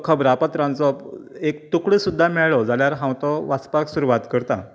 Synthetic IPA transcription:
kʰəbɾapət̪ɾãnt͡sɔekt̪ukɭəsud̪ʱːamɛɭɭɔd͡zaljaɾɦãwt̪ɔʋaspaksuɾuʋat̪kəɾt̪a

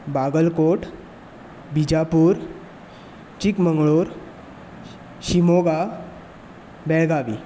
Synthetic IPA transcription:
baɡəlkoʈ | bʱid͡ʑapuːɾ | t͡ɕikməŋɡɭoɾ | ɕimoɡa | bɛɭɡaʋi

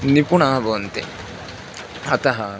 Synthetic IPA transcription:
nipuɳaːbont̪e | ɐt̪ɐɦɐ

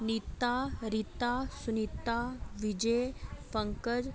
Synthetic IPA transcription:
nit̪ːaɾit̪asunit̪ːaʋid͡ʑepəŋkəd͡ʒ

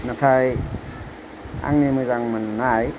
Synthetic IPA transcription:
natʰaj | a̰ŋnimɯzaŋmanːaj

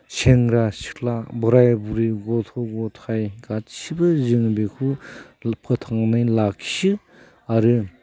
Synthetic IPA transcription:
seŋɾasi̥klabɔɾajbuɾiɡɔtʰɔɡɔtʰajɡat͡ʃʰibɯzɯŋbikʰu | pʰɯtʰaŋnajlakʰi̥sɯ | aɾɯ

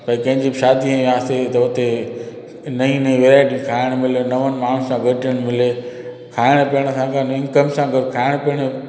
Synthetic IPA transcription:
pɐ̃ĩkɐ̃ɦɪ̃ɲd͡ʑibɪʃaːd̪iə̃aːst̪et̪ɐʊt̪e | nɐĩnɐĩʋeːɾaːɪʈikʰaːɪɽ̃mɪlenɐʋənɪ̆maːn̤ũsãɡʱɐʈijəɽ̃mɪle | kʰaːɪɽ̃pijəɽ̃ə̆sãkʰãnĩkɐmsãɡɐd̪kʰaːɪɽ̃piəɽ̃

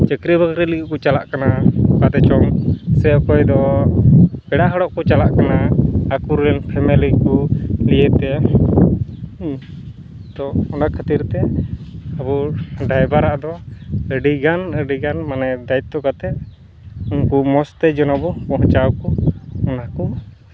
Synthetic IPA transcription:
t͡ʃəkɾibʱəɡɾilikiʔkut͡ʃalaʔkanakat̪ɛt͡ʃɔmsɛɔkɔjd̪ɔ | pɛɽaʔɦəɽɔʔkɔt͡ʃalaʔkanaakuɾːɛnpʰɛmɛlikuliɛt̪ɛ | t̪ɔɔnakʰat̪iɾt̪ɛ | abuɖajbaɾaʔd̪ɔəɖiɡanəɖiɡanmanɛd̪ait̪ːɔkat̪ɛ | unkumɔst̪ɛd͡ʒɔnabɔkɔɦɔ̃t͡ʃawkuɔnaku

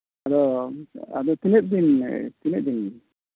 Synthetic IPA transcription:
ad̪ɔ | a̰d̪ɔt̪inɛt̪̚d̪int̪inɛt̪̚d̪in

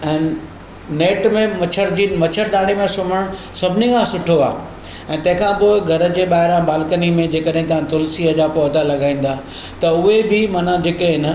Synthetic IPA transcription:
ɛ̃ːnɪ | neːʈmẽmɐt͡ɕʰəɾd͡ʑimɐt͡ɕʰəɾd̪aːɽ̃emẽsʊməɽ̃ | sɐbʱɪnikʰãsʊʈʰoa̰ː | ɛ̃ːt̪ɐ̃ɦɪ̃kʰãːpoɪɡʱɐɾə̆d͡ʑeːɓaːɦɪɾãbaːlkənimẽd͡ʑeːkəɗɦɪ̃t̪̬ɐʋ̤ãt̪ʊlsiəd͡ʑaːpoːt̪alɐɡaːĩːn̆d̪aː | t̪ɐʊɦebʱɪmɐnad͡ʑeːkẽɦɪnə

